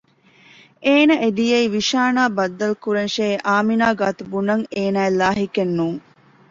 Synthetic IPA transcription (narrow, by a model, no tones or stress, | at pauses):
ʔeːnɐʔed̪ijeiʋiʃaːnaːbɐd̪ːɐlkuɾenʃeːʔaːminaːɡaːt̪ubunɐŋeːnaːelaːɦikenːuːŋ